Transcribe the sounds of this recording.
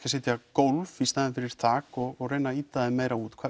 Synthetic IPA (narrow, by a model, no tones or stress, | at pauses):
kasɛːt̪jakowlfist̪aːɪnfɪɾɪɾ̥θʰaːkɔɣɔɣrejnaiːt̪aðɪmeːjɾauːt̪kʰva